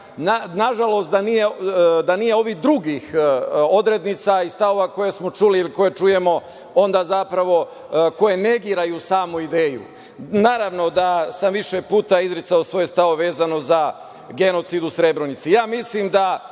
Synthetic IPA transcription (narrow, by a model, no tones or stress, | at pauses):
nanaʒalo̞st̪̚d̪anije̞d̪anijeo̞ʋihd̪ɾuɡixo̞d̪ɾe̞d̪nit̪saist̪aʋo̞ʋako̞jesmo̞t͡ʃuliːliko̞jet͡ʃuje̞mo̞ | o̞nd̪aːzapɾaʋo̞ | ko̞je̞ne̞ɡiːɾajusaːmuid̪e̞ːjṵ | naːɾaʋno̞d̪asamʋiʃepuːt̪aizɾit̪saosʋo̞jest̪aʋoʋe̞ːzano̞za | ɡe̞no̞t̪sid̪usɾe̞bɾonit̪sijaːmislimd̪a